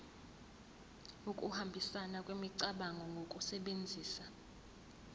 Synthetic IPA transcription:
ukʼuhambʱisanakʼwimiǀaɓaŋʱɔŋɡʱokʼusɛɓend͡zʱiːsa

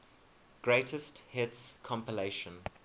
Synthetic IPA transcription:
ɡ̥ɹeɪtʰəsthɪtskʰɔ̃mpileɪʃə̃n

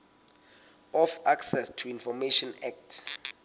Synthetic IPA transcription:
ɔfaksɛstʰuinfɔmeʃɔnɛk̚tʰ

